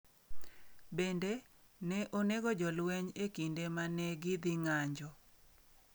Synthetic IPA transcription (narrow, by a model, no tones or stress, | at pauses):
bende | nɛʔoneɡɔd͡ʒɔlwɛɲekindemanɛɡɪd̪ɪŋaɲd͡ʒɔ